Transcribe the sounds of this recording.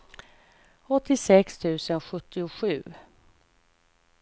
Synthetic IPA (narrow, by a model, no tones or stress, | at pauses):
ɔt̪ːɪsɛkst̪ʰʉ̟ːsənɧɵt̪ʰːɪʊɧʉ̟ː